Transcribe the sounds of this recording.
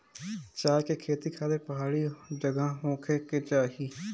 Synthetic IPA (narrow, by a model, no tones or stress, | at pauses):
t͡ʃaːd͡ʒkeːkʰeːt̪iːkʰaːd̪eːpəɦaːɽiːd͡ʒəɡãːɦõːkʰeːket͡ʃaːɦiː